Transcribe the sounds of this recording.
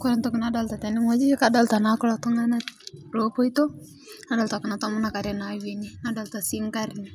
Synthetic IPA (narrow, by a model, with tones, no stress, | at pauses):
kɔ˦ɾa˦ntɔ˦kɪ˨na˨da˦lta˨tɛ˨nɪ˦ŋa˦d͡ʒi˦ka˦da˨lta˨na˦kʊ˦la˨tʊ˦ŋa˦na˦lo˦po˦i˦to˦ | na˦da˨lta˨kɪ˨na˨tɔ˦mʊ˦na˨ka˨ɾɛ˨na˨we˨ni˦nada˨lta˨si˦ŋka˦ɾni˨